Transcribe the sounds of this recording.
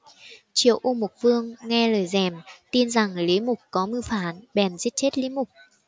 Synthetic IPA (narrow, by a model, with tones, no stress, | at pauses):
t͡ɕḭ˧˨əwʔu˧mʊ˨˩k͡p̚vɨ˧əŋːɛ˧ləː˨˩jzɛ˨˩mt̪i˧nza˨˩ŋli˨˦mʊ˨˩k͡p̚kɔ˨˦mɨ˧faː˨˦nɓɛ˨˩mzi˦˥ət̚t͡ɕe˦˥t̚li˨˦mʊ˨˩k͡p̚